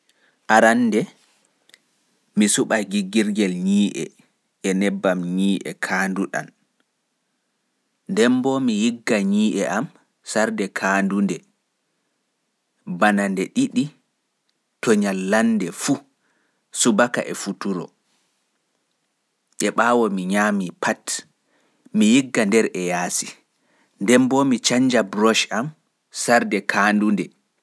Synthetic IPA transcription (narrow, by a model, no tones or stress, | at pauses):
ʔaɾanːdɛ | misuɓaɡiɡiɾɡɛlɲiːʔɛ̰ | ɛnɛbːamɲiːʔɛ̰kʰaːnduɗa̰n | ndɛmbɔmijiɡːaɲiːʔɛʔam | saɾdɛkʰaːndundɛ | banandɛɗiɗi | tɔɲalːandɛfu | subaka̰ʔɛfutuɾɔ̰ | ʔɛɓaːwɔmiɲaːmipat | mijiɡːandɛɾɛjaːsi | ndɛmbɔmit͡ʃaɲd͡ʒabɾɔʃam | saɾdɛkʰaːndundɛ